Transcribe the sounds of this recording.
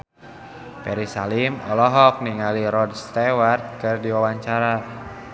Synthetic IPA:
pɛɾisalimɔlɔɦɔk̚niŋaliɾɔdst̪ewart̪̚kɨrdiwawaɲt͡ʃaɾa

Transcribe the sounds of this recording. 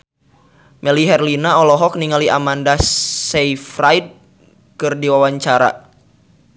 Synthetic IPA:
mɛliɦɛrlinaɔlɔɦɔk̚niŋaliʔamandasɛifraid̚ | kɨrdiwawaɲt͡ʃaɾa̰

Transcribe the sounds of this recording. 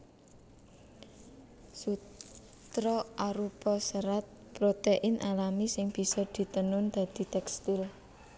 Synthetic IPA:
su | t̪ɾɔʔaɾupɔsəɾat̪̚ | pɾot̪eʔɪnʔalamisɪŋb̥i̤sɔd̪̥i̤t̪ənʊnd̪̥a̤d̪̥i̤t̪ɛkst̪ɪl

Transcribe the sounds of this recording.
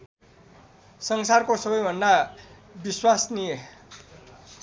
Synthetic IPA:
sʌŋsarkosʌbʌjbʱʌnd̪a | biswasnije

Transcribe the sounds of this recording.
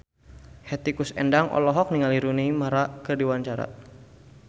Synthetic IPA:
hɛt̪ikusɛ̰ndaŋʔɔ̰lɔɦɔk̚niŋaliɾunimaɾakərdiwaɲt͡ʃaɾa̰

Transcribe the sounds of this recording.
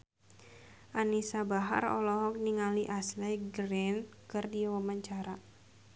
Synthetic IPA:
ʔanisabaɦa̰rɔ̰lɔɦɔk̚niŋaliʔaslajɡɾɛnkɨrdiwamaɲt͡ʃaɾa

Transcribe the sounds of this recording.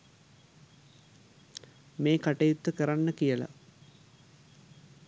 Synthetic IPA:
meːkaʈejut̪ːəkəɾanːəkijəla̰

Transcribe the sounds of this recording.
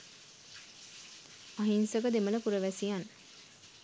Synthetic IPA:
aɦinsəɡəd̪emələpuɾəʋæsijan

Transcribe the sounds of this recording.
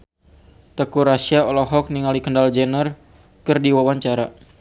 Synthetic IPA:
t̪əkuɾasiaɔlɔɦɔk̚niŋalikəndald͡ʒənər | kɨrdiwawaɲt͡ʃaɾa

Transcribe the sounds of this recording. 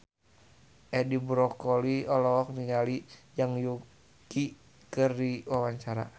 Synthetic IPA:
ʔɛdibɾɔkɔliɔlɔːk̚niŋalijaŋju | ki | kɨrdiwawaɲt͡ʃaɾa̰

